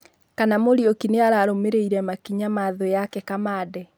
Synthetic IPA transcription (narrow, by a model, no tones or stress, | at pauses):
kanamoɾiokineaɾaɾomeɾeiɾɛmakiɲamaðojakɛkamaːdɛ